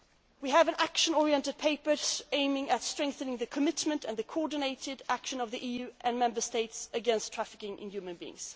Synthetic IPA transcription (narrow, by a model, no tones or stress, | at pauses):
wiəvɨ̃nækʃə̃nɔɹiɛ̃ntɨd̚pʰeɪpə˞sẽɪ̃mɪ̃ŋɨtstɹ̥ɛ̃ŋk̚θɨ̃nɪ̃ŋðɨkʰəmɪtmɨ̃ntɨ̃nðɨkʰoɔɹdⁿn̩eɪɾɪdækʃɨ̃nʌvðiʔijʉʔɨ̃nmɛ̃mbə˞steɪtsɨɡɛ̃nstʰɹ̥æfɪkɪ̃ŋʔɪ̰̃njʉmɨ̃nbiɪ̰̃ŋz̥